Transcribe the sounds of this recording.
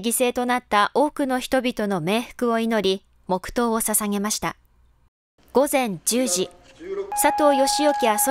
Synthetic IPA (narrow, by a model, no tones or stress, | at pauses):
ɡʲise̞ːt̪o̞nat̪ːaʔo̞ːkɯ̟no̞çi̥t̪o̞bʲit̪o̞no̞me̞ːɸɯ̟̥kɯ̟o̞ino̞ɾʲi | mo̞kɯ̟̥t̪o̞ːsasaŋe̞maɕi̥t̪a | ɡ̥o̞zẽ̞ɲ̟d͡ʑɨːʑi | sat̪o̞ːjo̞ɕijo̞kʲiβaso